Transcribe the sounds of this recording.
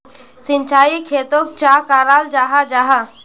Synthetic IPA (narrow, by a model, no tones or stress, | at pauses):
sɪ̃nt͡ʃaːikʰeːt̪oːk̚t͡ʃaːkaːɾaːld͡ʒaːɦad͡ʒaːɦa